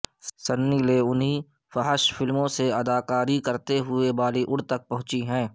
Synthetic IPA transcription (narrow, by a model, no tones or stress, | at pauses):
sənːileʊnɦi | fəɦəʃfɪlmõseɐd̪aːkaːɾikɐɾt̪eɦʊebaːliʔʊɽt̪ɐk̚pɐɦʊ̃t͡ʃiɦɛ̃ː